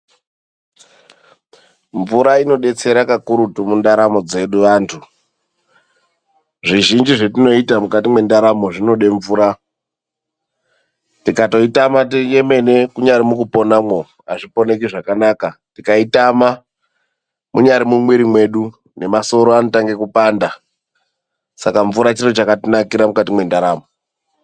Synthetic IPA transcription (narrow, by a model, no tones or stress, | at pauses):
ɱvuɾaino̞ɗe̞t͡se̞ɾakakuɾutumundaɾamo̞d͡ze̞ɗuʋaːntʰu | ʐiʒind͡ʒiʐetino̞itamukatimwe̞ndaɾamo̞ʐino̞ɗeɱvuːɾa | tikato̞itamatie̞me̞ne̞kuɲaɾimukupo̞namwo | aʐipo̞ne̞kiʐakanaːkatikaitama | mʔuɲaɾimuŋwiɾimwe̞ɗu | ne̞maso̞ɾo̞anotaŋɡe̞kupaːnda | sakaɱvuɾat͡ʃirot͡ʃakatinakiɾamukat̬imwe̞ndaɾaːmo